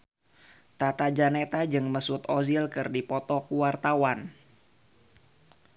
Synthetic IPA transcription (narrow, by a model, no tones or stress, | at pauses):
t̪at̪ad͡ʒanet̪ad͡ʒɨŋməsut̪ozilkɨrdipɔt̪ɔkuwart̪awan